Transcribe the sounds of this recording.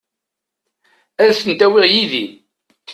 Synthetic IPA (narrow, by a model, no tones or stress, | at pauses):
æɾsənt̪æwiʁjiði